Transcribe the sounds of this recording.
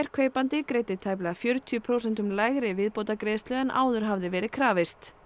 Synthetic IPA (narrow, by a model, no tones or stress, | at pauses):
jɾ̥kʰœːɥpant̪ɪkɾeːjt̪ɪt̪ʰaːjplɪafjœɾʏt̪ʰiʏpʰɾowsɛnt̪ʏmlaːjɣɾɪvɪðpowt̪akɾeːðst̪lœːðɛnʔa̰ːwðʏɾ̥ɦavðɪvɛːɾɪðkʰɾaːvɪst̪